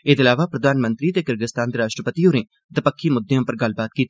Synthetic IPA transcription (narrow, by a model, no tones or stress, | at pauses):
ed̪ɪlaːʋaːpɾəd̪aːnmə̃nt̪ɾiːt̪eːkəɾɡəst̪aːnd̪eːɾaːʃʈɾəpət̪ioːnẽː | d̪əpəkʰːiːmʊd̪ːeõːpəɾɡəlbaːt̪̚kiːt̪i